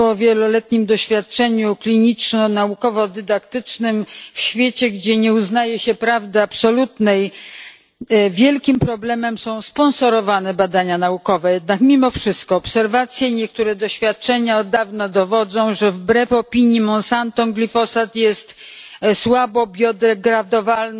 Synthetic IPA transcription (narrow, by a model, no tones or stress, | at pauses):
ɔvʲjɛlɔlɛt̪ɲimd̪ɔɕfʲjat̪̚t͡ʂɛɲuklʲiɲit͡ʂnɔnaukɔvɔd̪ɘd̪akt̪ɘt͡ʂnɘmfɕfʲjet͡ɕɛɡd͡ʑɛɲɛuznajɛɕɛpɾavd̪ɛapsɔlut̪nɛj | vʲjɛlkʲimpɾɔblɛmɛmsɔ̃w̃spɔnsɔɾɔvanɛbad̪aɲanaukɔvɛjɛd̪̚nakmʲimɔfʂɘst̪̚kɔːpsɛɾvat̪sʲjɛɲɛk̚t̪uɾɛd̪ɔɕfʲjat̪̚t͡ʂɛɲaɔd̪ːavnad̪ɔvɔd̪zɔ̃w̃ʐɛvbɾɛfɔpʲiɲjimɔnsant̪ɔŋɡlʲifɔsat̪jɛst̪swabɔbʲjɔd̪ɛɡɾad̪ɔvaln